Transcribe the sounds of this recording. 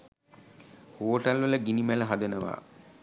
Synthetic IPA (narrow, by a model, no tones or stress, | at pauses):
hoːʈalʋələɡinimæləɦad̪ənəʋa̰ː